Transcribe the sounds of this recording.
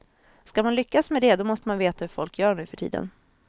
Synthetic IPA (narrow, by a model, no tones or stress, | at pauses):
skamanlʏkːasmɛd̪ɛd̪ɔmɔst̪əmanveːt̪ahɵfɔlkʰjœːɳʉ̟ːfœʈʰḭːd̪ə̰n